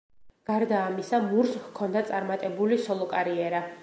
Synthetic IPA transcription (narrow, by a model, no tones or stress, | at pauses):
ɡ̥aɾd̪aːmisamuɾskʰɔnd̪at̪sʼaɾmat̪ʼɛbulisɔlˠɔkʼaɾiɛɾa